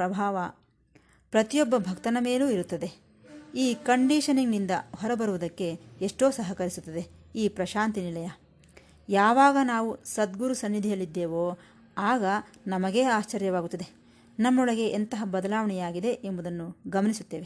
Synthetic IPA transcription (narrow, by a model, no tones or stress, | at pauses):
ɾɐbʱaːʋɐ | pɾɐt̪ijɔbːɐbʱɐkt̪ɐnɐme̞ːluːiɾut̪ːɐd̪e̞ | iːkɐɳɖiːʃɐniŋnind̪ɐɦɔɾɐbɐɾuʋud̪ɐkːe̞eʂʈo̞ːsɐɦɐkɐɾisut̪ːɐd̪e̞iːpɾɐʃaːnt̪inilɐjɐ | jaːʋaːɡɐnaːʋusɐd̪ɡuɾusɐnːid̪ʱijɐlːid̪ːeːʋoː | aːɡɐnɐmɐɡe̞ːaːst͡ʃɐɾjɐʋaːɡut̪ːɐd̪e | nɐmːɔɭɐɡe̞ʔːnt̪ɐɦɐbɐd̪ɐlaːʋɐɳɛjaːɡid̪e̞ʔembud̪ɐnːuɡɐmɐnisut̪ːe̞ːʋe